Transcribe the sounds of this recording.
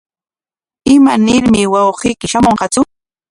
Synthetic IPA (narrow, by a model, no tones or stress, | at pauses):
ɪmanɪɾmɪwɑwɢijkɪʃamoɴqɑt͡sʊ